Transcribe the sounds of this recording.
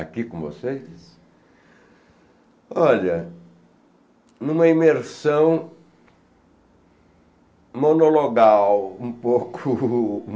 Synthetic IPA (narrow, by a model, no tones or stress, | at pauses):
a̰kikõvo̰sejs | ɔʎɐ | nũmɐimeɾsɐ̃w̃ | monoloɡawũpokʰʊ